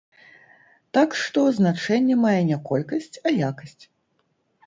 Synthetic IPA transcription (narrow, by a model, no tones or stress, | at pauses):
t̪akʂt̪ɔznat͡ʂɛnʲːɛmajɛnʲɛkɔlʲkɐsʲt͡sʲɐjakɐsʲt͡sʲ